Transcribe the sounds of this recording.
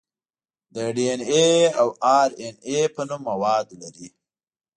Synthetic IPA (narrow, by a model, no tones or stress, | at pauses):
d̪əɖieneawɑɾenepənumːawɑd̪laɾi